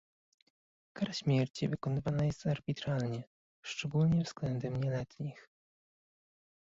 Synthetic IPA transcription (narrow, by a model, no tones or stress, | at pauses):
kaɾaɕmʲjɛɾt͡ɕivɘkɔnɘvanajɛst̪aɾbʲit̪ɾalɲɛ | ʂt͡ʂɛɡulɲɛvz̥ɡ̥lɛnd̪ɛmɲɛlɛt̪ɲix